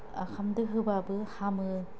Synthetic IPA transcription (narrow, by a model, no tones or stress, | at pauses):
a̰kʰamdɯɦɯbabɯhamɯ